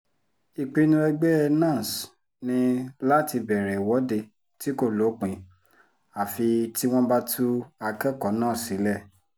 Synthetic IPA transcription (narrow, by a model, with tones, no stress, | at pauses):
i˨˧k͡pi˧nũ˧˦ɛ˧ɡ͡bɛ˦ɛ˧nã˦˨s | nĩ˧la˦ti˧bɛ˨ɾɛ˨wɔ˨˦de˧ | ti˦ko˦˨lo˨˦k͡pĩ˧˦ | a˨fi˧ti˦w̃ɔ̃˦ba˦tʰu˦a˧kɛ˦kɔ˨˦nãː˦˨si˨˦lɛ˦˨